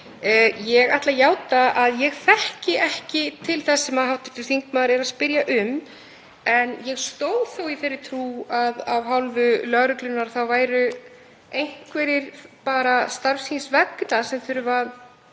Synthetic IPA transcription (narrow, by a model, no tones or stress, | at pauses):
jɛɣajht̪lajaːwt̪aaðjɛɣθɛhcɪʔɛhcɪt̪ʰɪlθɛsːɛmaðhawht̪ɪ̥t̪ʏɾ̥θiŋkmaðɾɛɾaðspɪɾjaʔʏm | ɛnjɛɣst̪oːwθowiθejrːɪt̪ʰɾuːaðawɦawlvʏlœɣɾʏklʏnːaɾθawvaːjɾʏ | ejŋ̥kvɛɾɪɾpaːɾast̪aɾfsinsvɛknasɛmθʏɾʏvað